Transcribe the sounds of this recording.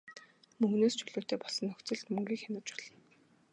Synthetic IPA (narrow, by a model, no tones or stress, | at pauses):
mɵŋɡneːst͡ɕʰɵɮuːt̪eːpɔɮsɞ̆nɵxt͡sɘ̆ɮt̪mɵŋɡʲiːxʲanə̆t͡ɕɔ̥ɮɞ̆n